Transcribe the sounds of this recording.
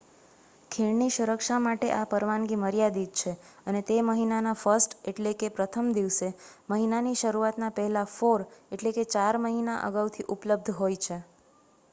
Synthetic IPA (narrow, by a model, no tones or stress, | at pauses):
kʰeɭniʃuɾəkʃamaʈeʔapəɾʋanɡiməɾjad̪id̪̚t͡ʃʰeənet̪eməɦinanafəɾsʈeʈlekepɾət̪ʰəmd̪iʋse | məɦinaniʃəɾuat̪napɛɦɛlafoɾeʈleket͡ʃaɾməɦinaʔə̰ɡaʋt̪ʰiʔupləb̚d̪ʱɦojt͡ʃʰe